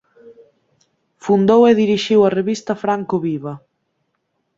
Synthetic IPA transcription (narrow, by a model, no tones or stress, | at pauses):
fund̪oweðiɾiʃiwɐreβist̪ɐfɾaŋkoβiβɐ